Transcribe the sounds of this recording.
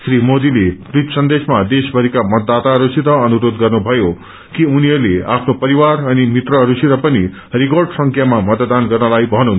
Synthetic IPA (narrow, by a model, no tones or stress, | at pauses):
sɾimod̪ileɾit̪sʌnd̪esmad̪esbʱʌɾikamʌt̪̚d̪ːat̪aɾusiɾʌʌnuɾod̪ɡʌrnubʱʌjo | kiuniɦʌɾlea̰pʰnopʌɾiwaɾʌnimit̪rʌɾusiɾʌpʌni | rikorɖsʌŋkʰjamamʌt̪d̪anɡʌrnʌlajbʱʌnun